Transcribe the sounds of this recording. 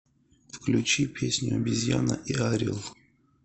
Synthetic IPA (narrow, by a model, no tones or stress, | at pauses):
fklʲut͡ʃipʰʲesʲnʲʊɐbʲizʲjanə̰ʔiaɾʲilˠ